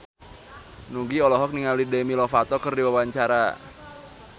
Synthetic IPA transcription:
nuɡiɔlɔɦɔk̚niŋalidemilɔfat̪ɔkərdiwawaɲt͡ʃaɾa

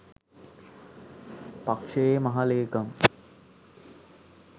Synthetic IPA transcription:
pakʂeemɐɦaleːkɐm

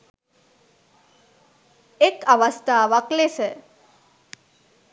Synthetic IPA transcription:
ekaʋast̪aːʋaklesə

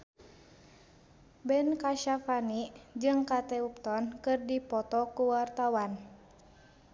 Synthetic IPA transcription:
bɛnkaʃafanid͡ʒɨŋkat̪ɛup̚t̪ɔnkɨrdipɔt̪ɔkuwart̪awan

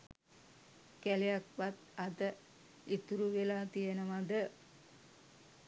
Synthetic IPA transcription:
kælejak̚ʋat̪ad̪ə | it̪uɾuʋelaːt̪ijənəʋad̪ə

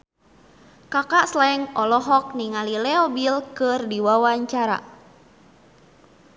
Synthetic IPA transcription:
kakaʔslaɛŋɔlɔɦɔk̚niŋalilɛɔbilkɨrdiwawaɲt͡ʃaɾa̰

